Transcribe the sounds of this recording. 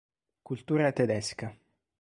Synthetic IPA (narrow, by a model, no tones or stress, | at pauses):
kult̪uːɾat̪ed̪ɛska